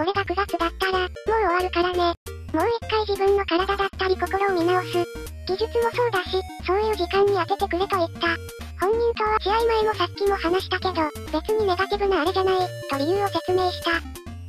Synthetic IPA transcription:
ko̞ɾe̞ɡakɯ̟ɡakɯ̟d̪at̪ːaɾa | mo̞oβaɾɯ̟kaɾane̞ | mo̞ːikːaiʑibɯ̟̃nːo̞kaɾad̪ad̪at̪ːaɾʲiko̞ko̞ɾo̞omʲinaosɨ | ɡ̥ʲiʑɨt͡sɨmo̞so̞ːd̪aɕi | so̞ːjɯ̟ːʑikãɲ̟ːiake̞t̪e̞kɯ̟ɾet̪o̞it̪ːa | hõ̞ɲ̟ːĩnt̪oːβat͡ɕiaimaemo̞sakʲːimo̞hanaɕi̥t̪ake̞d̪o̞ | be̞t͡sɨɲ̟ine̞ɡat̪ibɯ̟naːɾedanait̪o̞ɾʲijɯ̟ːo̞se̞t͡sɨme̞ːɕi̥t̪a

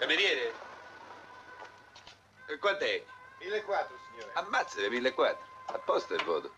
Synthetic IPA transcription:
kameɾjɛːɾɪ | kwand̪ɛmilːekːwat̪ːɾusiɲːoːɾamːat̪sɛɾemilːekːwat̪ːɾʊapːɔst̪aɛvːɔ̰ːðʊ

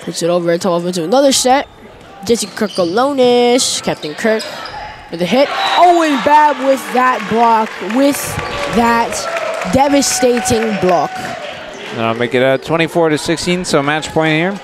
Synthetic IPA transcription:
pʰʊtsɨɾoʊvə˞ɨtʰɔʌvɪ̃ntɨənʌðə˞sɛt̚ | d̥d͡ʒeɪsikʰɹ̥ɜ˞kəlõʊ̃nɪʃkʰæp̚tɨ̃nkʰɜ˞kwɨt̪ðɨɦɛɾoʊɪ̃nbæk̚wɪðət̚b̥lɑkwɪð̥ðɨt̚d̥ɛvɨsteɪɾɪ̃ŋblɑk | nðə̃naɪlˠmeɪkɨɾʌtʰw̥ɛ̃ɾ̃ifɔɹɾɨsɪkstĩnsoʊmæt͡ʃpʰɔ̃ɪ̃nt̚hiɹ

